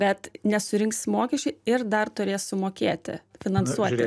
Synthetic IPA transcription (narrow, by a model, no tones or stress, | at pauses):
bʲɛt̪nʲɛsʊɾʲɪŋksmoːkʲɛʃʲt͡ʃʲɛɪɪrd̪ɐrt̪ʊɾʲeːssʊmoːkʲeːt̪ʲɪ̰fʲɪnɐnsuɔt̪ʲɪ